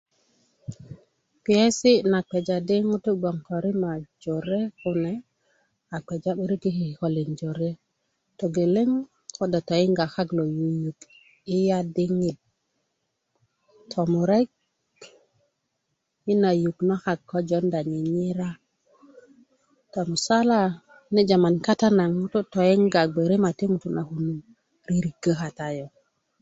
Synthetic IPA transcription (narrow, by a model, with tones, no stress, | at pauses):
pi˨e˦si˦na˨k͡pe˨d͡ʒa˨di˦ŋu˦tu˦ɡ͡bo˨ŋko˨ɾi˦ma˨d͡ʒo˨ɾe˦ku˨ne˨ | a˨k͡pe˨d͡ʒa˦ɓi˦ɾi˦ki˦hi˨ho˨li˨nd͡ʒo˨ɾe˦ | to˨ɡe˨le˦ŋ | ko˦da˨to˨i˦ŋɡa˨xa˦klo˨ju˨ju˨k | i˦ja˦di˦ŋi˨t̚ | tʰo˨mu˨ɾe˦k̚ | i˦na˨ju˨kna˦xa˨kːo˦d͡ʒo˦nda˨ɲi˨ɲi˦ɾa˦ | to˨mu˨sa˦la˨ | ne˦d͡ʒa˨ma˨nka˦ta˦na˨ŋu˦to˦to˨je˦ŋɡa˨ɡ͡be˨ɾe˦ma˨te˦ŋu˨tu˦˨na˨hu˨nu˦ | ɾi˦ɾi˨ɡə˦ɦa˨ta˦jo˨